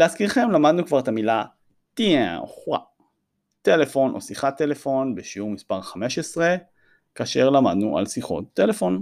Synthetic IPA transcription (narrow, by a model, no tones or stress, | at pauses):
leaskiʁχe̞mlamad̪nukvaʁet̪amila | t̪iao̰χʁa̰ | t̪e̞le̞fo̞nʔo̞̰siχat̪ːele̞fo̞nbeʃiuʁmispaʁχameʃesʁe | kaːʃe̞ʁlamad̪nuʔa̰lsiχo̰t̚ːele̞fo̞n